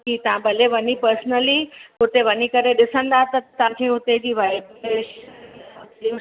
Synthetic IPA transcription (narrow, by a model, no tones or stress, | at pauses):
kit̪ãbʱəleʋənipəɾsnəliɦʊt̪eʋənikəɾeɗɪsə̃nd̪aːt̪ɐt̪ːãːkʰeɦut̪ed͡ʑiːʋable | i